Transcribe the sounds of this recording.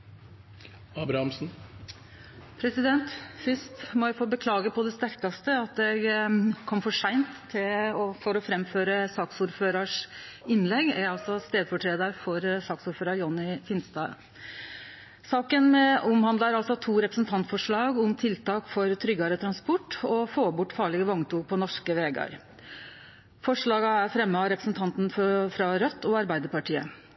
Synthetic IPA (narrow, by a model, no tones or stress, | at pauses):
ɑbɾɑhɑmsn̩ | pʰɾɛsɪd̪ɛnt̪fœʂt̪mɔjæɪfoːbəkʰlɑːɡəpʰɔd̪ɛst̪æɾkɑst̪əɑt̪ɛɡkʰɔmfɔʂæɪnt̪ʰːɪlɔfɔɾɔfɾɛmføːɾəsɑːksuːɾføːɾɑʂ | ɪnlɛɡːæɾɑlsɔst̪eːd̪fɔʈʰɾeːd̪ɑɾfɔɾsɑːksuːɾføːɾɑɾjɔnːɪfɪnsd̪ɑ̰ː | sɑːkənmɛʊmhɑnd̪əɾɑlsɔt̪ʰuːɾɛpɾəsn̩t̪ʰɑnt̪fɔʂɭɑːɡʊmt̪ʰɪlt̪ɑːkfɔɾt̪ʰɾʏɡɑɾət̪ʰɾɑnspɔʈːɔfoːbʊʈːfɑːɭɪɡəʋɑŋt̪ʰuːpʰɔnɔʂkəʋɛːɡɑ̰ɾ | fɔʂɭɑːɡəæɾfɾɛmːəɑɾɛpɾəsn̩t̪ʰɑnt̪nfɔfɾɑɾœt̪ːɔːɑɾbæɪd̪əɾpɑʈʰiːə̰